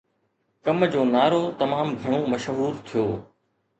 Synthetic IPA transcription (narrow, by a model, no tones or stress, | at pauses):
kɐmd͡ʑoːnaːɾoːt̪ɐmaːmɡʱɪɽ̃õːmɐʃɦuːɾt̪ʰijoː